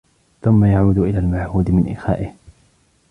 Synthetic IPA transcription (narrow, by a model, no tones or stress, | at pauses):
θʊmːajaʕuːd̪ʔɪlaːlmaʕhuːd̪ɪmɪnʔɪxa̰ːʔɪh